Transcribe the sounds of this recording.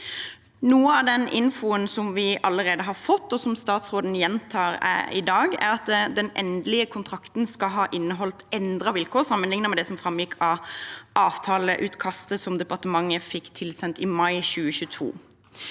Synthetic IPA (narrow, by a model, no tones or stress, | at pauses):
nuːəɑʋd̪ɛnɪnfʊənsɔmʋɪʔɑlːəʁeːd̪əɦɑfɔt̪ːɔsɔmst̪ɑːt̪sʁoːd̪n̩jɛnt̪ʰɑːɾæ̰ɪ̰d̪ɑːɡæ̰ɾɑt̪d̪ɛnʔɛ̰nd̪lɪəkʰʊnt̪ʰʁɑkt̪n̩skɑɦɑːʔɪnːəɦɔlt̪ɛnd̪ʁɑʋɪlkʰoːʁsɑmːənlɪŋnəmɛd̪ɛsɔmfɾɑmjɪkʰːɑʔɑːʋt̪ʰɑːləʔʉːt̪kʰɑst̪əsɔmd̪ɛpɑʁt̪əmɑŋːəfɪkːt̪ʰɪlsɛnt̪ɪmɑɪɕʉːəɕʉːt̪ʰṵː